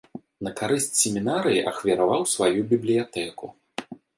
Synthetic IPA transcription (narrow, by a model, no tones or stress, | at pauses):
nɐkaɾɨsʲt͡sʲsʲemʲinaɾɨjiʔɐxvʲiɾavawsvajubʲiblʲijat̪ɛku